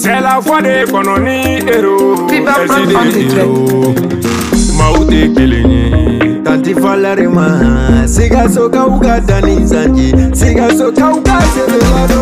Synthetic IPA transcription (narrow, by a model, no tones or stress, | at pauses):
sɛlakwadekɔnɔ̃nĩ | eɾotibaãasid͡ʒɾɛ | mãutekelḛɲḛ̃tãntifalaɾemãsikasokaukadanĩzãnd͡ʒisikasokaukaseɾelaɾo